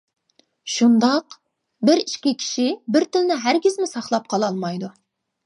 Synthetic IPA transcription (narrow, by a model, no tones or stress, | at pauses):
ʃund̪ɑq | bɪɾiʃkʲikʲʰi̥ʃibɪɾt̪ʰɪlɪnɪɦæɾɡʲizmɪsɑχlˠɑp̚qʰɑlˠɑlˠmɑjd̪u